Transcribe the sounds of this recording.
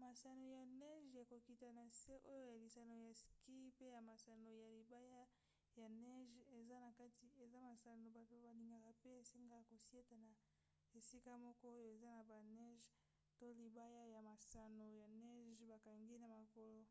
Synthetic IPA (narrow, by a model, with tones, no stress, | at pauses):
ma˨sa˨no˨ja˨nɛ˦ʒja˨ko˨ki˨ta˨na˨se˦ʔo˦jo˦ja˨li˨sa˨no˨ja˨ski˦pe˦ja˨ma˨sa˨no˨ja˨li˨ba˦ja˦ | ja˨nɛ˦ʒe˨za˦na˨ka˦ti˨e˨za˦ma˨sa˨no˨ba˨to˦ba˨li˨ŋɡa˨ka˨pe˦e˨si˦ŋɡa˦˨ko˨si˦e˦ta˨na˨ | e˨si˦ka˦mɔ˦kɔ˦o˦jo˦e˨za˦na˨ba˨nɛ˦ʒ | to˦li˨ba˦ja˦ja˨ma˨sa˨no˨ja˨nɛ˦ʒba˨ka˨ŋɡi˦na˨ma˨ko˨lo˦